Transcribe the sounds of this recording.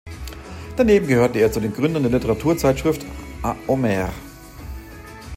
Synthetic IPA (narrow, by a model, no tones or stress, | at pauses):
d̥aneːbm̩ɡəhøːɐtəeːɐt͡sudeːnɡʁʏndɐndeːɐlɪtəʁatʰuːɐt͡saɪtʃʁ̥ɪftʔaʔomɛʁ